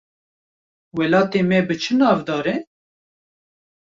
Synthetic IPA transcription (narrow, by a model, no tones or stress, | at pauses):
wɛlɑːt̪eːmɛbɨt͡ʃʰɨnɑːvd̪ɑːɾɛ